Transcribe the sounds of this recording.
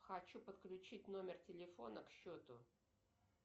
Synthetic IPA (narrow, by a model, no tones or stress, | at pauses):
xɐt͡ɕupət̪klʲʉt͡ɕit̚ʲnomʲɪrtʲɪlʲɪfo̞nəkɕːot̪ʊ